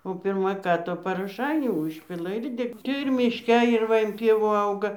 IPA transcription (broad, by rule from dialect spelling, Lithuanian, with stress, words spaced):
oː ˈpʲɪrmɐ ˈkɑː tʊ pɐroːˈʃɐɪnʲuː ˈʊʃʲpʲɪlˠɐ ɪr ˈdʲɛ tɐɪ ɪr mʲɪʃʲˈkʲɛ ɪr ˈʋɐ ɪn ˈpʲiɛʋuː ˈɐʊɡɐ